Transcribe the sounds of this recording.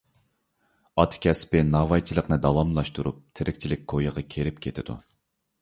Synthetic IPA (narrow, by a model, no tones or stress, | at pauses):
ɑt̪ʰkʲʰɛspɪnɑvɑjt͡ʃʰilˠəqnɨd̪ɑvɑmlˠɑʃt̪uɾup̚t̪ʰɪɾɪkʲt͡ʃʰilɪk̚ʲkʰojəʁɑkʲʰeɾɪp̚kʲʰet̪ʰɪd̪ṵ